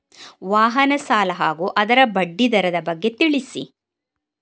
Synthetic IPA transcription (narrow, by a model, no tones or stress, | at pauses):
ʋaːɦɐnɐsaːlɐɦaːɡuːʔɐd̪ɐɾɐbɐɖːid̪ɐɾɐd̪ɐbɐɡːe̞t̪iɭisḭ